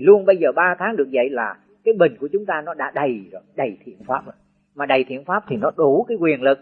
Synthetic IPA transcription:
lu˧ənɓə˧jzəː˨˩ɓaː˧t̪ʰaː˨˦ŋɗɨ˨˩ək̚zə̰˧˨jlaː˨˩ | kaː˨˦jɓï˨˩ŋ̟ku˧˩ət͡ɕʊ˨˦ŋ͡mt̪aː˧nɔ˨˦ɗa̰ː˧˥ɗə˨˩jɗə˨˩jt̪ʰḭ˧˩ənfaː˦˥p̚zə̰˧˩ | maː˨˩ɗə˨˩jt̪ʰi˧˩ənfaː˦˥p̚t̪ʰi˨˩nɔ˨˦ɗu˨˦kaː˨˦jkwi˨˩ənlɨ˨˩k̚

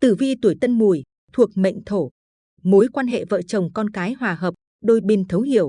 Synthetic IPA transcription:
t̪ɨ˧˩vi˧t̪u˧˩əjt̪ə˧nmu˨˩j | t̪ʰu˨˩ək̚mə̰˧˨jŋ̟t̪ʰo˧˩ | mo˨˦jkwaː˧nɦḛ˧˨və̰ː˧˨t͡ɕə˨˩wŋ͡mkɔ˧nkaː˨˦jhwaː˨˩ɦəː˨˩p̚ | ɗo˧jɓi˧nt̪ʰə˨˦whi˧˩˨əw

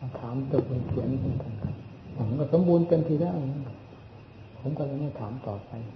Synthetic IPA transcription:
a˧˩t̪ʰaː˩˦mt̪ɤ˨˧˩k̚laː˧kʰi˨˦na˧˩mʰ˩˦nka˧nkʰa˦˧˩p̚ʰː | m˦kɔː˧˩so˨˦mbuː˧nt̪e˧mt̪ʰiː˧˩daː˥˩ja˧nkʰa˧˩p̚ | pʰo˨˦mkɔ˧˩la˧ŋha˥˩t̪ʰaː˩˦mt̪ɔː˨˩pa˧j

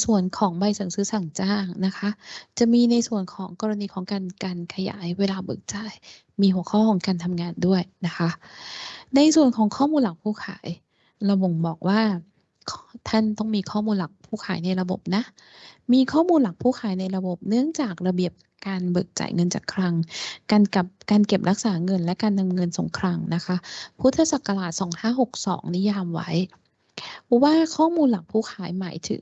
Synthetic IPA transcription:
su˨˩ənkʰɔː˩˦ŋba˧jsa˨˦ŋsɯː˦˥sa˨˩ŋt͡ɕaː˥˩ŋna˦˥kʰa˦˥ʔt͡ɕa˨˩miː˧na˧jsu˨˩ənkʰɔː˩˦ŋkɔː˧ɾa˧niː˧kʰɔː˨˩˦ŋkaː˧nkaː˧nkʰa˧ja̰ː˩˦jweː˧laː˧bɤ̰ː˨˩k̚t͡ɕa˨˩˦j | miː˧ɦu˨˩˦əkʰɔː˥˩kʰɔː˩˦ŋkaː˧nt̪ʰa˧mŋaː˧ndu˥˩əjna˦˥kʰa˦˥ʔ | na˧jsu˨˩ənkʰɔː˩˦ŋkʰɔː˥˩muː˧nla˨˩k̚pʰuː˥˩kʰa̰ː˩˦j | ɾa˧bo˨˩ŋbɔː˨˩k̚waː˥˩ | kʰt̪ʰa˥˩nt̪ɔ˥˩ŋmiː˧kʰɔː˥˩muː˧nla˨˩k̚pʰuː˥˩kʰaː˩˦jna˧jɾa˧bo˨˩p̚na˦˥ʔ | miː˧kʰɔː˥˩muː˧nla˨˩k̚pʰuː˥˩kʰaː˩˦jna˧jɾa˧bo˨˩p̚nɯ˥˩əŋt͡ɕaː˨˩k̚ɾa˧bi˨˩əp̚ | kaː˧nbɤː˨˩k̚t͡ɕa̰˨˩˦jŋɤ˧nt͡ɕa̰ː˨˩kʰɾa˧ŋkaː˧nka˨˩p̚kaː˧nke˨˩p̚ɾa˦˥k̚saː˩˦ŋɤ˧nlɛ˦˥kaː˧nːa˧mŋɤ˧nso̰˨˩˦ŋkʰɾaː˧ŋna˦˥kʰa˦˥pʰu˦˥t̪ʰːa˧sa˨˩kːa˧laː˨˩t̪̚sɔː˩˦ŋhaː˥˩ɦo˨˩k̚sɔ̰ː˩˦ŋni˦˥jaː˧mwa̰˦˥j | waː˥˩kʰɔː˥˩muː˧nla˨˩k̚pʰuː˥˩kʰaː˩˦jmaː˩˦jt̪ʰɯ̰˩˦ŋ

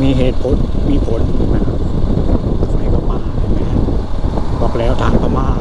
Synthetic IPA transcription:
miː˧˥˧ɦeː˨˩t̪̚pʰo˨˦nmiː˧˥pʰo˨˦n˧ma˧˩˧ | ha˧˥˩jka˧˩maː˧˩tʰa˧˩mɛ˦˥˧ | kɔ˨˧˩p̚lɛː˦˥wt̪ʰaː˨˦˥ŋka˧˩maː˧˩

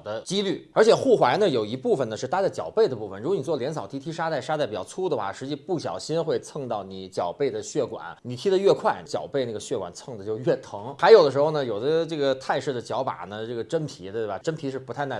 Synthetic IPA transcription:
d̪ə˦t͡ɕi˥ly˥˩ə˞˧˥t͡ɕʰjɛ˨˩xu˥˩xwa˧˥ɪnə˧jo˨˩ʊi˧˥pu˥˩fə˩nə˩ʂɻ̩˥˩t̪ʰa˥t͡sa˥˩ɪt͡ɕjɑ˨˩ʊpe˥˩ɪd̪ə˩pu˥˩ə˩nɻu˧˥kwɔ˧˥n˨˩t͡swɔ˥˩ljɛ˧˥nsʰɑ˨˩ʊt̪ʰi˥t̪ʰi˥ʂa˥t̪a˥˩ɪʂa˥t̪a˥˩pi˨˩jɑ˥ʊt͡sʰu˥d̪ə˧xwa˥˩ʂɻ̩˧˥t͡ɕi˥˧pu˥˩ɕjɑ̰˨˩ʊɕi˥nxwe˥˧ɪt͡sʰɤ˥˧ŋt̪ɑ˥˩ʊni˧˥t͡ɕjɑ̰˨˩ʊpe˥˩ɪd̪ə˩ɕɥɛ˥˩kwa̰˨˩˦nni˨˩t̪ʰi˥ə˧ɥɛ˥˧kʰwa˥˩ɪnt͡ɕjɑ̰˨˩ʊpe˥˧ɪna˥˩ɡə˩ɕɥɛ˥˩kwa̰˨˩nt͡sʰɤ˥˧ŋd̪ə˩t͡ɕjo˥˧ʊɥɛ˥˩t̪ʰɤ˧˥ŋxa˧˥ɪjo˨˩ʊd̪ə˦ʂɻ̩˧˥xo˥˧ʊnə˩jo˨˩ʊd̪ə˦ʈ͡ʂɤ˥˩ɡə˩t̪ʰa˥˧ɪʂ̩˥˩d̪ə˩t͡ɕjɑ˧˥ʊpa̰˨˩nə˦ʈ͡ʂɤ˥˩ɡə˩ʈ͡ʂə˥npʰi˧˥t̪e˥˩ba˩ʈ͡ʂə˥npʰi˧˥ʂɻ̩˥pu˧˥t̪ʰa˥˧ɪna˥˩

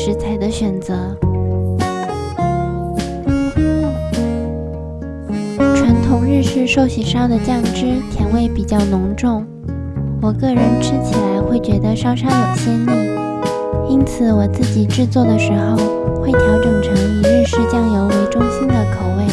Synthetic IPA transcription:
ʂɻ̩˧˥t͡sʰa˧˥ɪd̪ə˧ɕɥɛ˨˩nt͡sɤ˧˥ | ʈ͡ʂʰwa˧˥nt̪ʰʊ˧˥ŋɻɻ̩˥˧ʂɻ̩˥˧ʂo˥˩ʊɕi˨˩ʂɑ˥d̪ə˨t͡ɕjɑ˥˩ŋʈ͡ʂɻ̩˥t̪ʰjɛ˧˥nwe˥˩ɪpi˨˩t͡ɕjɑ˥˩ʊnʊ˧˥ŋʈ͡ʂʊ˥˩ŋ | wɔ˨˩kɤ˥˩ɻə˧˥nʈ͡ʂʰɻ̩˥t͡ɕʰi˨˩la˧˥ɪxwe˥˩ɪt͡ɕɥɛ˧˥d̪ə˧ʂɑ˥ʊʂɑ˥d̪ə˨˩t͡ɕʰɛ˥ni˥˩ | i˥nt͡sʰɹ̩˨˩˦wɔ˨˩t͡sɹ̩˥˩t͡ɕi˨˩ʈ͡ʂɻ̩˥˧t͡swɔ˥˩d̪ə˩ʂɻ̩˧˥xo˥˧ʊ | xwe˥˩ɪt̪ʰjɑ˧˥ʊʈ͡ʂɤ˨˩ŋʈ͡ʂʰɤ˧˥ŋi˨˩ɻɻ̩˥˧ʂɻ̩˥˩t͡ɕjɑ˥ŋjo˧˥ʊwe˧˥ɪʈ͡ʂʊ˥ŋɕi˥nd̪ə˨kʰo˨˩ʊwe˥˩ɪ

